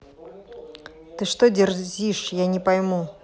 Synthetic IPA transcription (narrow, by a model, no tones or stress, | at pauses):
t̪ɨʂt̪odʲɪrzʲiʂjanʲɪpɐjmu